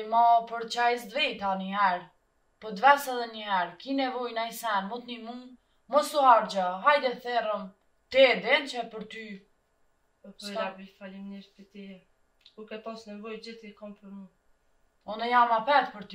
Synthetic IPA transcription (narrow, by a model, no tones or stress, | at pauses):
mɔpəɾt͡ʃaisd̪vit̪anəɦɛɾ | pɔd̪vɛsɛðɛnəɦɛɾkinɛvɔjnajsɛnmɔt̪nimun | mɔsuɦaɾd͡ʑaɦajd̪ɛθɛrəm | t̪ɛd̪ɛnt͡ʃɛpəɾt̪y | ɔpɔabifalimɲiɾfit̪iɛ | kukɛpɔsnɛvɔjd͡ʒiθikɔmpəɾmu | ɔnɛjamapɛt̪pəɾt̪y